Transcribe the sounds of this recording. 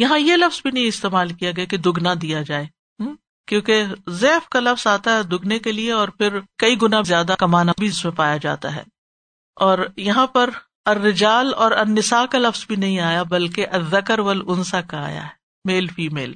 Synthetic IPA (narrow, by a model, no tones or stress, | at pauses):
jɐɦãjelɐfz̥bʱinɐɦĩɪst̪eːmaːlkijaɡɐjaked̪ʊɡnad̪ijad͡ʒaːeː | kjõːkezɛːfkalɐfz̥aːt̪aɦɛd̪ʊɡnekelieɔːɾpʰɪɾkɐiɡʊnazjaːd̪akɐmaːnabʱiɪsmẽpaːjad͡ʒa̰ːt̪a̰ɦɛ̰ː | ɔːɾjɐɦãpɐɾ | ɐrːɪd͡ʒaːlɔːɾɐnːɪsaːkalɐfz̥bʱinɐɦĩaːjabɐlkeʔɐðːɐkəɾʋɐlʊnsakaa̰ːja̰ɦɛː | meːlfiːmeːl